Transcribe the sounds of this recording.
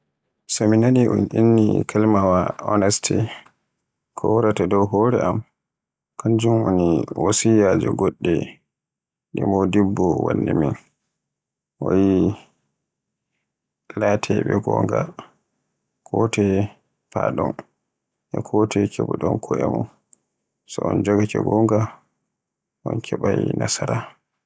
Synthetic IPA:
sɔminaniʔɔnʔinːikʰalmawaɔnɛstʰi | kʰɔwɔɾatadɔwɦɔɾɛam | kʰand͡ʒumoniwosijad͡ʒɔɡɔɗːɛ | ɗɛmɔdibːɔwa̰nːimin | ʔɔji | latʰɛɓɛɡɔŋɡa | kʰɔtɛ | paɗɔn | ʔɛkʰɔtʰɛkʰɛbuɗɔnkʰɔʔɛmɔ | sɔɔnd͡ʒɔɡakɛ̰ɡɔŋɡa | ʔɔnkʰɛɓajnasaɾa

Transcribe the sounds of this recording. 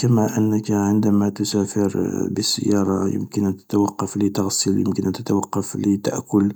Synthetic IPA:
kəmæʔənːəkʕənd̪æmæt̪ʊsæfəɾbəsːə̰jːɑɾˤɑjə̰mkənæt̪ət̪wɑqːɑflət̪ɑɣsəljə̰mkənʔænt̪ət̪wɑqːɑflət̪a̰ʔkʊl

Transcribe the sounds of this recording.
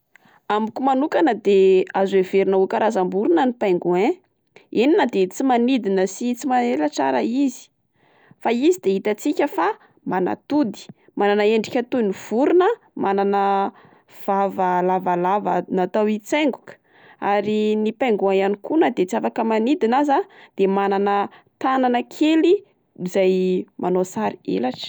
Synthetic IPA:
ambukumanukanəd̪eazweveɾinaukaɾazambuɾunənipajŋɡuẽ | eninəd̪et͡simanid̪inəsit͡simanelət͡sa̰ɾəizi̥ | faizid̪eɦit̪at͡sikʲəfa | mana̰t̪ud̪i̥ | mananəeɳɖ͡ʐi̥kʲat̪univ̥uɾunə | mananə | v̥avəlavalavənat̪awit͡seŋɡukə̥ | a̰ɾinipaŋɡuaanikunəd̪et͡siafakəmanid̪inazad̪̥emananət̪ananəkʰeli | zajmʔanosaɾiḛlaʈ͡ʂə̥

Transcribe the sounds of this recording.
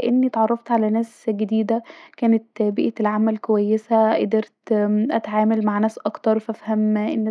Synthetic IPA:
ʔenːit̪ʕɑrˤːɑft̪ʕalænæːsɡed̪iːd̪ækæːnet̪biʔet̪elʕamælkowæjːesæʔed̪eɾt̪ʔæt̪ʕaːmælmaʕnæːsʔɑkt̪ɑɾˤfæfhæmʔenː

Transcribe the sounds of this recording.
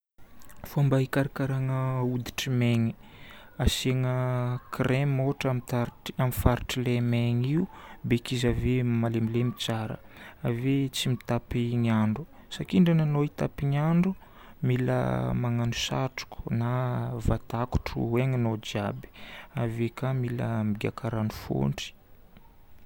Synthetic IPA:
fambaikaɾakaɾaŋəud̪i̥ʈ͡ʂimeŋi̥ | aseŋəkremoʈ͡ʂamt̪aamifaɾiʈ͡ʂilemeŋiubekizavemalemilemit͡saɾə̰avet͡simit̪apiŋaɳɖ͡ʐu | sakiɳɖ͡ʐananoit̪apiɲaɳɖ͡ʐu | milə̰maŋanusa̰ʈ͡ʂu̥kʰu̥navat̪aku̥ʈ͡ʂṵweŋanod͡ʒabi̥avekamilə̰miɡʲa̰kʰaɾanufo̰ɳɖ͡ʐi̥

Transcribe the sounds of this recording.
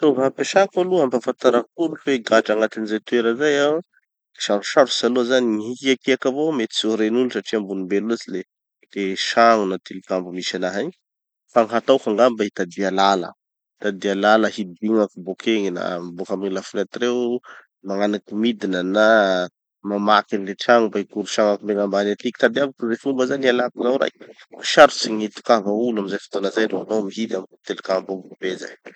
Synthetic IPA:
t̪ovapeʃakaluambafant̪aɾakuɾufeɡaʈ͡ʂaŋat̪inizet̪weɾəzajaw | i̥ʃaɾuʃaɾusaluazaniiɦikiakiakavomet̪i̥soɾenulusaʈ͡ʂiambunimbeluazile | leʃaŋunat̪ilikambumisanaɦaɲi | faŋɦat̪awkaŋɡambait̪ad̪ialalə̰ | t̪ad̪ialaləhid̪ibiŋakubokʰeŋina̰mibokamiilafunat̪iɾew | maŋanakimid̪inəna | mamakinileʈ͡ʂaŋubaikuɾuʃaŋakumeŋambanat̪iki̥t̪ad̪iavakuzefumbəzanialakizawɾa̰jiʃaɾusiɲit̪u̥kavaulamizajfi̥t̪onəzajɾoanomiɦid̪amt̪elikambumbubeza̰j

